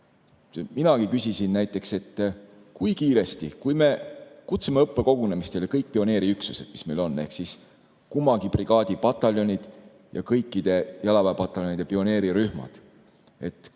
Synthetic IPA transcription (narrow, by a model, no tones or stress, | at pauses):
minɑkikysisinnæjt̪ˑːe̞kse̞t̪ː | kujkiːɾe̞st̪ikujme̞kut̪semeɤpːe̞ko̞ɡ̥une̞mist̪e̞lekɤjk̚ːpio̞ne̞ːɾiyksu̥se̞d̪̥mi̥sme̞jlo̞nːe̞̰hksis | kumːɑɡipriɡ̥ɑːd̪̥ʲipɑt̪ːˑɑljo̞nʲid̪̥ | jɑ̰kɤjkːid̪̥e̞jɑlɑvæːpɑt̪ːˑɑlʲjonʲid̪e̞pio̞ne̞ːɾiɾyhmɑ̰d̪̥ | e̞t̪ːˑ